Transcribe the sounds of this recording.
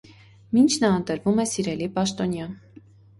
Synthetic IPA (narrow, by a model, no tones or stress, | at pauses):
mint͡ʃʰnɑənt̪əɾvumɛsiɾɛlipɑʃt̪ɔnjɑn